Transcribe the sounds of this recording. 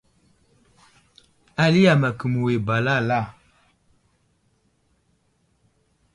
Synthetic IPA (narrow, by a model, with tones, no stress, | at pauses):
a˨li˦ja˨ma˨kə˨mu˨we˨ba˨la˦˨la˦˨